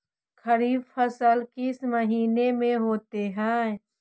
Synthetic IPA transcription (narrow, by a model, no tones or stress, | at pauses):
kəɾiːbfʰəsəlkɪsməɦiːnemẽɦoːt̪eɦɛ̃ː